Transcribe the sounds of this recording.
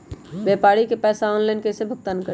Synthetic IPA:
bjɛpaɾikepɛsaɔnlajnkesebʱək̚t̪ənkə

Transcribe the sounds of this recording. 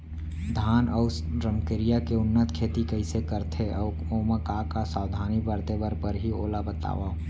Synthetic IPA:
d̪ʱaːnɔː | ɾəmkəɾijakeʊnːət̪kʰeːt̪ikəɪsekəɾt̪ʰeʔɔː | oːməkaːkasaːwd̪ʱaːnibəɾt̪ebəɾpəɾɦioːlabət̪a̰ːʋa

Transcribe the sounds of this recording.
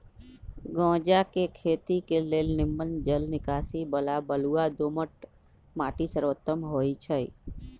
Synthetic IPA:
ɡõːd͡ʒakekʰeːt̪ikeleːlnɪmːənd͡ʒəlnɪkaːsibəlabəluad̪oməʈ̚ | maːʈisəɾot̪ːəmɦoːit͡ʃʰəi

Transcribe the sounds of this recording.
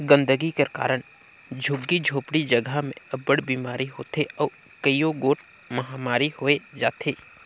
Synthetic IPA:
ɡə̃nd̪əɡikeka̰ːɾəɽ̃ | d͡ʒʱʊɡːid͡ʒʱoːpɽid͡ʒəɡʱəmẽɐbəɽbiːmaːɾiɦoːt̪ʰeɔː | kəijoɡoːʈ | mɐɦaːmaːɾihoːed͡ʒaːt̪ʰeː

